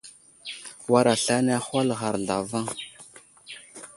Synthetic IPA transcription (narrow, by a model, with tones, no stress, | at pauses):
wa˦ɾa˨ɬa˦na˦xa˦lɣa˨ɾɮa˨va˦ŋ